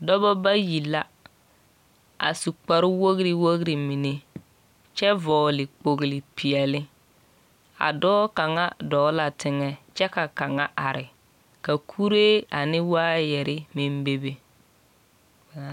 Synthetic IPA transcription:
dɔ˦bɔ˦ba˦ji˨la˦ | a̰˨su˨k͡pa˨ɾɪ˦wo˦ɣɾi˦wo˦ɣɾi˨mi˨ne˦ | t͡ʃɛ˦vɔː˨lɪ˨k͡po˨ɣlɪ˨pi˨ɛ˨lɪ˦ | a̰˨dɔː˦ka˨ŋa˦dɔː˨˦la˨tɪ˨ŋɛ˦t͡ʃɛ˦ka˨ka˨ŋa˦ʔa˨ɾɪ˨ | ka˨kʰu˦ɾe˦a˨nɪ˦waː˦jɛ˨ɾɪ˦mɪ˦mbe˦be˦

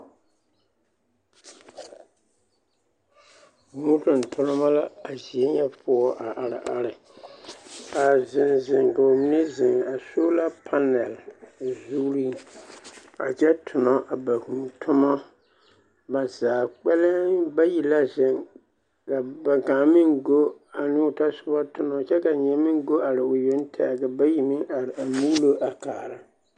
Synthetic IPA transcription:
ŋu˦tʊ˨n̩˨tʰʊ˦nɪ˦ma˦la˦a˨zi˨e˦ɲɛ˦pʰʊ˦ɔ˦ʔa˨ʔa˨ɾɪ̰˨ʔa˦ɾɪ˨ | ka˨zɪ˨nzɪ˨ŋɡo˨mi˦ne˦zɪ˨ŋa˨so˦la˦pʰa˦nɛ˨lzuː˦ɾi˦ | a̰˨t͡ʃɛ˦tʰʊ˨nɔ˦ʔa˨ba˨ku˨tʰʊ˦mɔ˦ | ba˨zaː˨k͡pɛ˦lɪ˦ba˦ji˨la˦zɪ˨ŋ | ka˨ba˨kaː˨mɪ˦ŋɡo˦a˨nɪ˦ʊ˨ta˦sʊ˦bɔ˦tʊ˦nɔ˦t͡ʃɛ˦ka˨ɲɛ˨mɪ̃˦ŋ˦ɡo˦a˨ɾɪ˨ʊ˨je˦n˦tʰa˦a˨ka˨ba˦ji˨mɪ˦ŋa˨ɾɪ˨a˨mu˦lo˦ʔa˨kaː˨ɾa˦

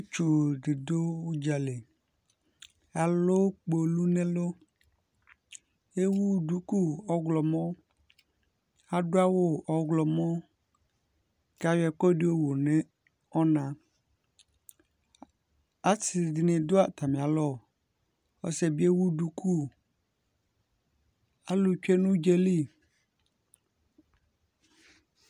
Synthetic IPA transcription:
t͡ʃu˨dɪ˨do˦wu˦d͡ʒa˨le˨ | a˨lo˦k͡po˨lu˦nẽ˦lo˦ | e˦wu˦du˨ku˦ɔ˦ɡlɔ˨mɔ̃˦ | a˨ɖo˦a˦wo˦ʔɔ˨ɡlɔ˨mɔ̃˦ | ka˨wɛ˨kɔ˦dɪ˦o˦wo˨nẽ˦ | ɔ˦nã˨ | a˦tɪ˨dɪ˨nɪ̃˨dʊ˦a˨tʰa˨mɪ̃˨a˨lɔ˦˨ | ɔ̰˦sɛ˨bi˦ɛ˦wu˦du˨kʰu˦ | a˦lʊ˨t͡ʃᶣɛ˦nʊ̃˦d͡ʒɛ˦li˦˨

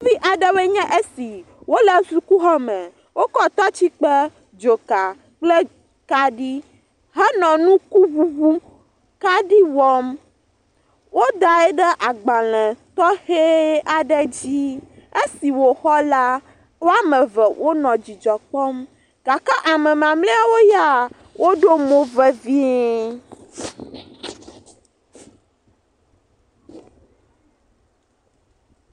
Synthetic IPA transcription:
vi˦ʔa˨ɖɛ˦be˦ɲɛ̃˦ʔe˦si˨ | wo˦lɛ˦su˦ku˦ɦɔ˦mɛ̃˨ | wo˦kɔ˦t̪ɔ˦t͡ɕi˦k͡pɛ˦ | d͡ʒo˨ka˨ | k͡ple˦ | ka˦ɖi˦ | ɦɛ˦nɔ̃˨nũ˦ku˦vu˦vu˦ | ka˦ɖi˦wɔ˦m | wo˦d̪a˨ɛ˦ɖɛ˦ʔa˨ɡ͡ba˨lɛ̃˨t̪ɔ˦he˦a˨ɖɛ˦d͡ʑi˦e˦si˨wo˨xɔ˦la˦ | wo˦a˦mɛ̃˨vɛ˨wʔo˦nɔ̃˨d͡ʑi˨d͡ʒɔ˨k͡pɔ˦m | ɡ̥a˨ka˦ʔa˨mɛ̃˨mã˨mle˦a˨wo˦ja˦˨ | wʔo˦ɖo˦mõ˦vɛ˦vi˦

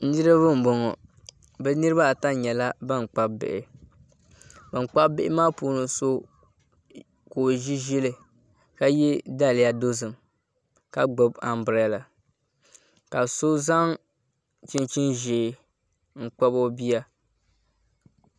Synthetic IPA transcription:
n̩˦nɨ˦ɾɨ˦βɨ˦m̩˨bɔ˨ŋɔ˨ | bɛ˦nɨ˦ɾɨ˦ba˦˨ta˦˨ɲɛ˨la˦ba˦˨ŋ˨k͡pa˦bbɪ̰˨ʔɪ˨ | bɨ˨ŋ͡mk͡pa˦bɪ˦ʔɪ˦maː˦puː˦no˨so˦ | koː˨ʒi˦ʒi˦lɨ˨ | ka˦jɛ˦da˦lɪ˨ja˦do˦zɨ˨m | ka˦ɡ͡bʊ˨ba˨mbɨ˨ɾa˨la˨ | ka˨so˦za˦ŋ | t͡ʃi˦nt͡ʃi˦nʒeː˨ | ŋ̩˨k͡pa˦bo˦bi˦a˦

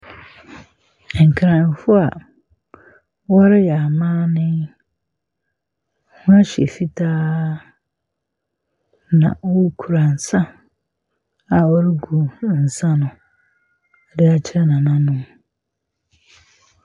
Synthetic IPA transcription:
ŋ̩˨kʰɾã˨n˨fʊ˦a˨ | wɔ˦ɾɪ˦ja˨mãː˦nɪ̃˦ | hũ˦a˦ɕe˨fi˦tʰaː˦ | nã̰˨wɔ˦ɾkʰu˨ɾa˨n̩˨sã˦ | a˨wɔ˦ɾɪ˦ɡu˨n̩˨sã˦nʊ̃˨ | dɪ˦a˨t͡ɕʰɪ˦ɾɛ˦nã˨nã˦nʊ̃˦m

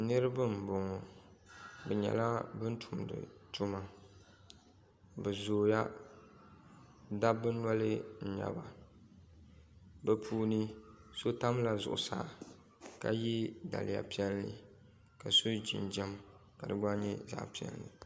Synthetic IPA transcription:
nɨ˦ɾɨ˦bɨ˦m˨bo˨ŋɔ˨ | bɛ˨ɲɛ̰˨la˦bɨ˦n˦tʰu˨mdɨ̰˨tu˦ma˨ | bɛ˨zoː˨ja̰˦ | da˦bɨ˦nɔ˦lɨ˦n̩˨ɲa̰˨ba˨ | bɛ˨pʰuː˦nɨ˦so˦ta˦m˦la˨zʊ̰˨ʔʊ˨saː˨ | ka˨ji˦da̰˨lɪ˨ja̰˨pi˦ɛ˦lnɨ̰˨ | ka˨so˦d͡ʒḭ˨nd͡ʒɛ˦m | ka˨dɨ˨ɡ͡ba˦ɲɛ˦za̰˦pi˨ɛ̰˦lnɨ˨

